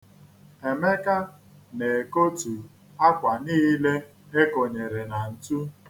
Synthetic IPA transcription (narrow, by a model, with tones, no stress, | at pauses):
e˨me˦ka˦ | ne˨ko˦tu˨ | a˦kʷa˨niː˦le˦ | e˦ko˨ɲe˨ɾe˨na˨n̩˨tu˦